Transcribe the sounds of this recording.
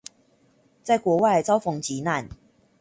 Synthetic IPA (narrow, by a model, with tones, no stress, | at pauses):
t͡sa˥˩ɪkwɔ˨˧˥wa˥˨˩ɪt͡sɑ˥ʊfɔ˨˩ŋt͡ɕi˨˦na˥˨n